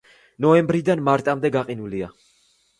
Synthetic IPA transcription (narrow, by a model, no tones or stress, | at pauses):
nɔɛmbɾid̪anmaɾt̪ʼamd̪ɛɡaqʼinulia